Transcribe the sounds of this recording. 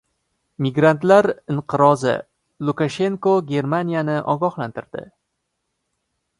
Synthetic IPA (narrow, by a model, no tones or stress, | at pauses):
mɪɡɾant̪laɾɪɴqʰɨɾɒzɪ̰ | lˠukaʃe̞ŋkoɡʲe̞ɾmanʲijanɪʔɒ̰ɡɒχlant̪ʰɪɾd̪̥ɪ̰